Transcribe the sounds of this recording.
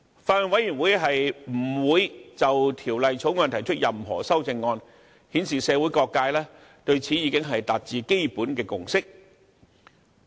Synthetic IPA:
faː˧˥lːnwɐ˨˥jyː˨˩nwuː˨˥jɦɐ˨jm̩˨˩wuː˨˧jt͡sɐ˨wt̪ʰiː˨˩wlɐ˨jt͡sʰo˨˥wŋɔː˧nt̪ʰɐ˨˩jt͡ʃʰɵ˥t̚jɐ˨mɦɔ̰ː˨˩sɐ˥wt͡sɪ˧ŋːɔː˧n | hiː˨˥nsiː˨sɛː˨˧wu˨˥jkɔː˧kːaː˧jlɛː˥ | t̪ɵ˧ɥt͡sʰiː˨˥jiː˨˧˥kɪ˥ŋɦɐ˨jt̪aː˨t̚t͡siː˨˧ke˥jpuː˨˥nkɛː˧kʊ˨˩ŋsɪ˥k̚

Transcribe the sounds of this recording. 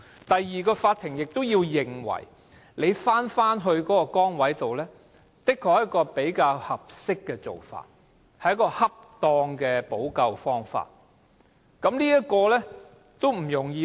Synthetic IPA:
t̪ɐ˨jːiː˨˩kɔː˧faː˧t̪ʰɪ˨˩ŋjɪ˨k̚t̪o˥wjiː˧wjɪ˨ŋwɐ̰˨˩j | le˨˧jfaː˥nfaː˥nɦɵ˧ɥkɔː˨˥kɔː˧kɔː˥ŋwɐ˨˥jt̪o˨wlɛː˥ | t̪ɪ˥kʰːɔː˧˩k̚jɐ˥t̚kɔː˧pe˨˥jkaː˧whɐ˨p̚sɪ˥kːɛː˧t͡so̰˨˩wfa̰ː˧t̚ | hɐ˨˥jkɔː˧hɐ˥p̚t̪ɔː˧ŋkɛː˧po˨˥wkɐ˧wfɔː˥ŋfa̰ː˧t̚ | kɐ˨˥mliː˥jɐ˥t̚kɔː˧lɛ˥ | t̪o˥wm̩˨˩jʊ˨˩ŋjiː˧

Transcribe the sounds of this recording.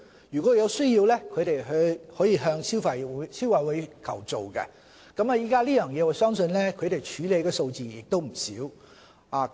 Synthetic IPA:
jy˨˩kʷɔː˨˥jɐ˨˧wsɵ˥ɥjiː˧wlɛ˥kʰɵ˨˧ɥt̪e˨jɦɵ˧hɔː˨˥jiː˨˧ɦœː˧ŋsi˥fɐ˨jwsiː˥wɐ˨˧jwu˨˧jkʰɐ˨˩wt͡so˨˩wkɛ̰˧ | kɐ˨˥ma˨˧jiː˥kaː˥liː˥jœː˨˩ŋjɛː˨˧wɔː˨˩sœː˥ŋsɵ˧nlɛ˥kʰɵ˨˧ɥt̪e˨jt͡ʃʰyː˨˥le˨˧jkɛː˧so˧wt͡siː˨jɪ˨k̚t̪o˥wm̩˨˩sḭː˨˥w | aː˨˩

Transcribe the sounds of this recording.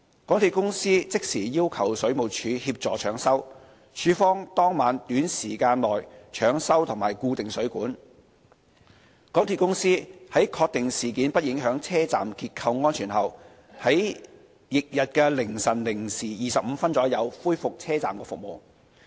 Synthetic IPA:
kɔː˨˥t̪ʰiː˨t̚kʊ˥ŋsiː˥t͡sɪ˥k̚siː˨˩jiː˥wkʰɐ˨˩wsɵ˨˥ɥmo˨˩wt͡ʃʰyː˨˧˥hiː˧p̚t͡sɔː˨˩t͡ʃʰœː˨˥ŋsɐ˥w | t͡ʃʰyː˨˥fɔː˥ŋt̪ɔː˥ŋmaː˨˥nt̪yː˨˥nsiː˨˩kaː˧nlɔː˨˩jt͡ʃʰœː˨˥ŋsɐ˥wt̪ʰʊ˨˩ŋmaː˨jkuː˧t̪ɪ˨ŋsɵ˨˥ɥkuː˨˥n | kɔː˨˥ŋt̪ʰi˨˧tkːʊ˥ŋsiː˥hɐ˨˥jkʰɔː˧k̚t̪ɪ˨ŋsiː˨˩kiː˨˥npɐ˥t̚jɪ˨˥ŋɦœː˨˥ŋt͡sʰɛː˥t͡sa̰ː˨mkiː˧t̚kʰɐ˧wŋɔː˥nt͡ʃʰyː˨˩nɦɐ˨w | hɐ˨˥j | jɪ˨k̚jɐ˨t̚kɛ˧lɪ˨˩ŋsɐ˨˩nlɪ˨˩ŋsiː˨˩jiː˨sɐ˨p̚m̩˨˧fɐ˥nt͡sɔː˨˥jɐ˨˧wfuː˥jfʊ˨k̚t͡sʰɛː˥t͡sa̰ː˨mkɛː˧fʊ˨k̚mo̰˨w

